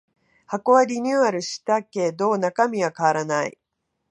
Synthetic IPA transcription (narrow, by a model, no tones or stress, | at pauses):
hako̞βaɾʲiɲʲɨːaɾɯ̟ɕi̥t̪ake̞d̪o̞ːnakamʲiβakaβaɾanaḭ